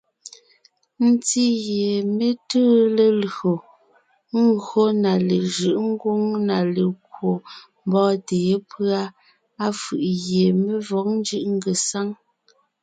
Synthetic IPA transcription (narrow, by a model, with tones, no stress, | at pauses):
n̩˦ti˦ɣje˨me˦təː˦le˨lɣo˨ | ŋ̩˦ɡɰo˦na˨le˨ʒɯ˨ʔŋ̩˦ɡwu˦ŋna˨le˨kwo˨m˦bɔː˦teː˨˦pʰɰa˦ | a˦fɯ˨ʔɣje˨me˦vɔ˨˦k̚n˦d͡ʒɯ˦ʔŋ̩˦ɡə˨sa˦ŋ